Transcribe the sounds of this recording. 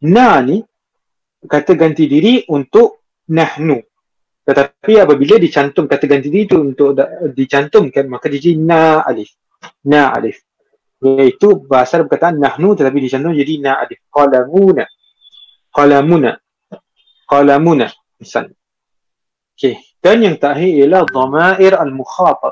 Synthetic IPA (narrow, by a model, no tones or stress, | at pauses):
nani | kat̪əɡant̪idiɾiʔunt̪ʊʔ | nahnu | t̪ət̪apiapəbilədit͡ʃant̪ʊŋkat̪əɡant̪idiɾit̪uːnt̪ʊʔadit͡ʃant̪ʊŋkanmakad͡ʒd͡ʒad͡ʒadinaa̰lɪf | naa̰lɪf | mait̪ubaɦasarpəkat̪aʔanːahnut̪ət̪ap̬idit͡ʃant̪ʊŋd͡ʒadinaʔa̰lɪfqɑlamuna | qɑlamuna̰ | qɑlamuna̰ | nsa̰n | oke | d̥anjaŋt̪aʔɦiijalahd̪ˤɑmaʔɪɾalmuxaːt̪ɑt̚